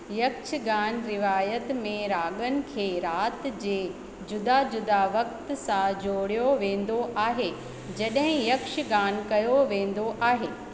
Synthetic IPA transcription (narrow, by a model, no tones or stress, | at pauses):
jɐkʃɡaːnɾɪʋaːjət̪mẽɾaːɠənɪ̆kʰeːɾaːt̪d͡ʑeː | d͡ʑʊd̪ad͡ʑʊd̪aʋɐk̚t̪sãd͡ʑoːɽijoʋẽːn̆d̪oʔaːɦe | d͡ʑɐɗɦɪ̃jɐkʃɡaːnkɐjoʋẽːn̆d̪oʔaːɦeː